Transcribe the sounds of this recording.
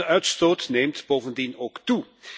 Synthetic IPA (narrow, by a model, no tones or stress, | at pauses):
əʔœɥtstoːtneːmtboːvəndinoːktu